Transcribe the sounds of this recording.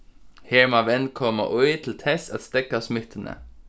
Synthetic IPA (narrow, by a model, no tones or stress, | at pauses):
heːɹmɑʋɛnkʰɔmə̰ʔɔʏt̪ʰl̩t̪ʰɛsɑt̪st̪ɛkasmɪt̪ʰənə̰